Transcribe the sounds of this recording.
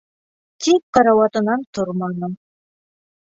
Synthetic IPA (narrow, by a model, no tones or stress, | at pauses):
t̪ip̚qɑɾɑwɑt̪ɤ̆nɑnt̪oɾmɑnɤ